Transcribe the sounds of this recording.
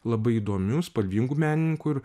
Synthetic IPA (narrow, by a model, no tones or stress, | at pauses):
lˠɐbɐɪid̪oːmʲʊspɐlʲʋʲiŋɡumʲæːnʲɪnʲɪŋkʊɪɾ